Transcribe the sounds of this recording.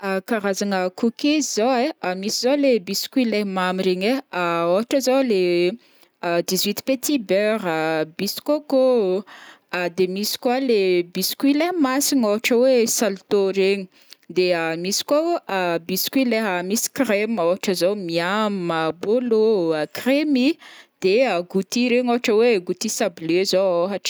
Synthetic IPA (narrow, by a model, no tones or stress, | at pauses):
akaɾazaŋəkukizzoweamisizolebiskilemamiɾeɲeaoɦaʈ͡ʂəzole | d̪izwit̪pet̪ʰibøɾəbisi̥koko | ad̪emisi̥kwalebiskwilemasiɲoɦaʈ͡ʂəwesalt̪oɾeɲi̥ | d̪eəmisi̥kwoabiskwileɦamisi̥kremoɦaʈ͡ʂəzowmiaməboloəkremid̪̥eəɡut̪iɾeɲoɦaʈ͡ʂəweɡut̪isablezooɦaʈ͡ʂə̥